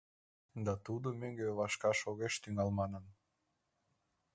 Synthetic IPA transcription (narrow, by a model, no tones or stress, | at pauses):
d̪ɑt̪ud̪omøŋɡeβɑʃkɑʃoɣeʃt̪yŋɑlmɑnən